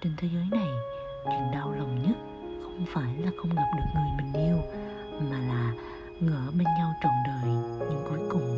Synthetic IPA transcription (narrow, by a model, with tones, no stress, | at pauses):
t͡ɕe˧nt̪ʰe˨˦zəː˨˦jna˨˩j | t͡ɕi˨˩ŋɗaː˧wlə˨˩wŋ͡mɲə˦˥t̚ | xə˧wŋ͡mfaː˧˩jlaː˨˩xə˧wŋ͡mɡa˨˩p̚ɗɨ˨˩ək̚ŋɨ˨˩əjmï˨˩ŋ̟ʔi˧əw | maː˨˩laː˨˩ | ŋəː˧˩ɓe˧nɲa˧wt͡ɕə˧˩nɗəː˨˩jɲɨ˧ŋkɔ˨˦jkʊ˨˩ŋ͡m